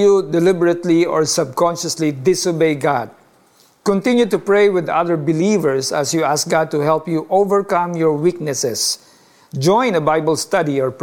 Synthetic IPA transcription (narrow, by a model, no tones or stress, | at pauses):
jud̪ɛlɪbəɹət̪liɔ̰ɹsʌb̚kɔ̃nʃəslid̪ɪsobejɡad̪̚ | kɔ̃nt̪ɪ̃njut̪ʊpɹejwɪd̪a̰ðəɹbɪlivɛɹsɐ̰sjuask̚ɡad̪̚t̪ʊɦɛlˠpjuʔovəɹkʌ̃mjɔɹwiknɛsɛs | d͡ʒɔ̃j̃nɐbajbəlst̪ʌd̪iɔɹp